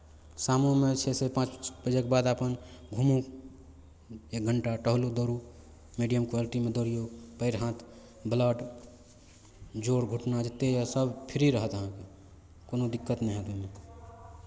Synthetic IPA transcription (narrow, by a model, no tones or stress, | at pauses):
samõmet͡ʃʰesepãːt͡ʃbəd͡ʒekebad̪apənɡʱumu | ek̚ɡʱəɳʈaʈəɦlud̪oɾu | miɖijəmkwaliʈimẽd̪oɾijopəɪɾɦãt̪ʰ | bləʈ | d͡ʒoːɽɡʱuʈnad͡ʒet̪ejasəbpʰiɾiɾəɦət̪əɦãke | koːnod̪ɪkːət̪nə̃ɦẽt̪eme